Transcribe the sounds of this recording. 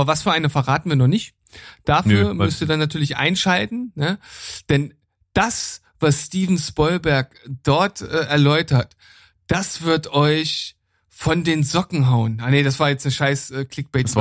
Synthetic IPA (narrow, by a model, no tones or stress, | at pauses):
ʔabɐvasfyːɐʔaɪnəfɛɐʁaːtn̩viːɐnɔχnɪçt | d̥afyːɐɐmʏstiːdanatʰyːɐlɪçʔa̰ɪnʃaltn̩nəd̥ɛn | d̥as | v̥asːtiːvn̩spɔʏlbɛɐkd̥ɔɐtʔɛːʔɛɐlɔʏtɐt | d̥asv̥ɪɐtɔʏç | fɔndeːnzɔkŋ̩ɦaʊənʔanedasv̥aːɐjɛt͡stnəʃaɪsʔɛkʰl̥ɪk̚b̥ɛː